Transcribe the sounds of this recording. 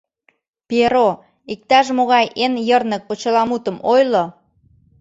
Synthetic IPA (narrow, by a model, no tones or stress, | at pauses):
peɾo | ik̚t̪ɑʃmoɣɑjʔenjərnək̚pot͡ɕə̆lɑmut̪əmojlo